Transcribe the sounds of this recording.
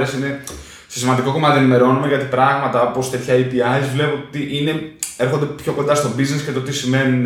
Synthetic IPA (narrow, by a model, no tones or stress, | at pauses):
ɾesine̞ | sesimɐnd̪iko̞ko̞mɐt̪ienime̞ɾo̞nume̞ʝɐt̪ipɾɐɣmɐt̪ɐopo̞st̪e̞t̪çɐipiɐjzvle̞puot̪iʔine̞e̞ɾxo̞nd̪e̞pço̞ko̞nd̪ɐst̪o̞biznescet̪o̞t̪isime̞nun